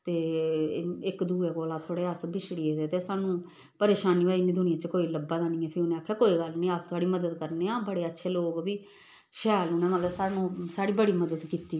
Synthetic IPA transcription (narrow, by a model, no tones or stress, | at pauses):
t̪eː | ɪkd̪uːeːkoːlãːt̪ʰoːɽeːəsbɪʃɽiːed̪eːt̪eːsaːnũː | pəɾeːʃaːniːʋaːiːnĩːd̪ʊnɪjãːt͡ʃkoːiːləbːaːd̪aːnĩːɛːpʰɪʊnẽaːkʰːɛːkoːiːɡəlnĩːəst̪ʰaːɽiːməd̪əd̪kəɾneːãːbəɽeːətːʃʰeːloːɡʋiː | ʃɛːlʊnɛ̃ːmət̪ləbsaːnũːsaːɽiːbəɽiːməd̪əd̪kiːt̪iː